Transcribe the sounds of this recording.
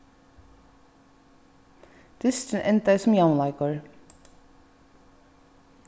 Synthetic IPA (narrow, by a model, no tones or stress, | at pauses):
d̪̥ɪstən̩ʔɛ̰nt̪̚d̪æɪsɔmjɑʊnlɑɪkəɹ